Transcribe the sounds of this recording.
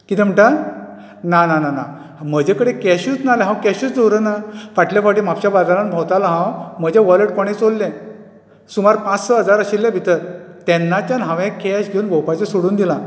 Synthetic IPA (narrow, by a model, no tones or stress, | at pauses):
kit̪eməɳʈa | nananana | m̤əd͡ʑʱekəɽekɛɕut͡snaleɦãwkɛɕuːt͡sd̪owɾənaʋaʈljafaʈiːm̤apɕabaɾd̪aɾãnbʱɔwt̪alaɦãwməd͡ʑaʋələʈkoɽ̃ẽt͡solːɛ̃ | sumaɾpãt͡ssəɦəd͡zaɾəɕilːjabʱit̪əɾt̪ɛnːat͡ɕjanɦãʋɛ̃kɛɕɡʱeunbʱowpat͡ɕasoɽuːnd̪ila